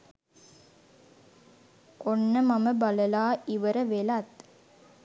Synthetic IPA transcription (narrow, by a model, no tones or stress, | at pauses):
onːəmaməbaləlaːiʋəɾəʋelat̪̚